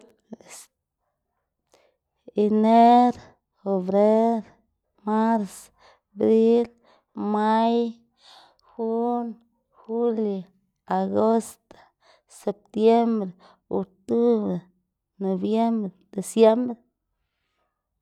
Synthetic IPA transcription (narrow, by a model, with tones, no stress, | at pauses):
i˨ne˦ɾ | xo˨bɾe˦ɾ | ma˦ɾs | bɾi˦l | ma˦j | xu˦n | xu˦ljo˨ | a˨ɡo˦st̪o̥˨ | se˨p̚t̪je˦mbɾe˨ | o̰˨k̚t̪u˦bɾe˨ | no˨bje˦mbɾe˨d̪̥e˨sje˦mbɾe˨